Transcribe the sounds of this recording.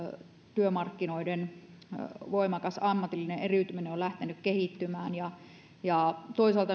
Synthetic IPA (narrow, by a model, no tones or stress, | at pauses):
t̪yømɑrkːinoiden | ʋoimɑkɑsɑmːɑt̪ilːineʔeryˑt̪ymineolæht̪enykkehit̪ːymæːnjɑ | jɑˑt̪oisɑlt̪ɑ